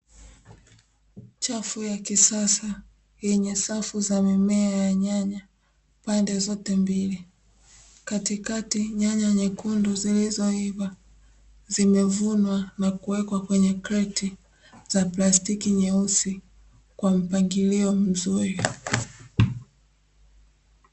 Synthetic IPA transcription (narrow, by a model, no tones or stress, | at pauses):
t͡ʃafujakisasa | jɛɲɛsafuzamimɛajaɲaɲa | pandɛzɔtɛmbili | katikatiɲaɲaɲɛkunduzilizɔiβa | zimɛvunwanakuwɛkwakwɛɲɛkɾɛti | z̥aplastikiɲɛusi | kwam̩paŋɡiliɔm̩zui